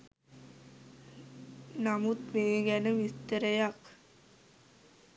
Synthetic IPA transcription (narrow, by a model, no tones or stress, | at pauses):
namut̪meːɡænəʋist̪əɾəjak